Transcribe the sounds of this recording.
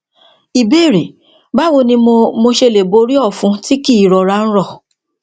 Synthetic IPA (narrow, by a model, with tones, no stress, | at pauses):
i˨be˦˨ɾe˨ | ba˦wo˧nĩ˧mo˧mo˧ʃe˧le˨bo˧˦ɾi˦ɔ˦˨fũ˧˦ti˦ki˦˨ɾɔ˨ɾa˧˦˧ñ̩˦ɾɔ˦˨